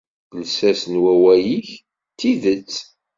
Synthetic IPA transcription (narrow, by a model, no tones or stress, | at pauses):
bəlsæsənwæwæjiç | t̪ːiðət͡sː